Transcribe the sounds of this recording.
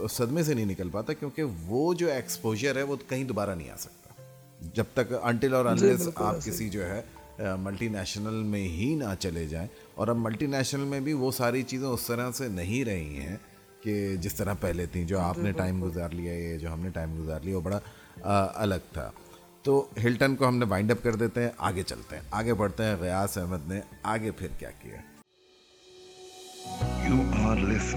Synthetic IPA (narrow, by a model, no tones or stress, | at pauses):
sɐd̪mẽs̬enɐɦĩnɪkəlpaːt̪akjõːkeʋoːd͡ʒoːeːkspoːʒəɾɦɛʋokɐɦĩd̪ʊbaːɾanɐɦḭ̃a̰ːsɐ̥k̚t̪ḁ | d͡ʒɐb̚t̪ɐkɐ̃ɳʈɪlɔːɾɐ̃nʈɪzaːp̚kɪsid͡ʒoːɦɛ | mɐlʈinɛːʃnəlmẽɦinat͡ʃɐled͡ʒa̰ːẽː | ɔ̰ːɾɐbmɐlʈinɛːʃnəlmẽbʱiʋosaːɾit͡ʃiːzẽʊst̪ɐɾəsenɐɦĩɾɐɦḭ̃ɦɛ̰̃ | ked͡ʒɪst̪ɐɾəpɛɦlet̪ʰĩd͡ʒoːaːpneʈaːɪmɡʊzaːɾlijaɛd͡ʒoːɦɐmneʈaːɪmɡʊzaːɾlijaʋoːbɐɽa | ɐ̰ləɡ̚t̪ʰa̰ː | t̪oːɦɪlʈənkoɦɐmneʋãːɪ̃ɳɖɐp̚kɐɾd̪eːt̪eɦɛ̃ʔa̰ːɡet͡ʃɐ̰lt̪eɦɛ̰̃ʔaːɡepɐɽt̪eɦɛ̃ɣɪjaːsɛɦməd̪neaːɡepʰɪɾkja̰ːkḭja̰ | juːãːɾlɪs